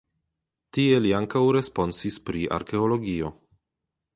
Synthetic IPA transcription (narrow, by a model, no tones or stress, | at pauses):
tie̞liaŋkawɾe̞spo̞nsispɾiʔa̰ɾke̞olo̞ɡio̞